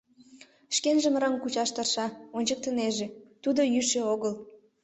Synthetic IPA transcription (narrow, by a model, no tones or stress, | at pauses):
ʃkenʒəmrəŋkut͡ɕɑʃt̪ərʃɑonʲt͡ɕək̚t̪əneʒet̪ud̪ojyʃeoɣəl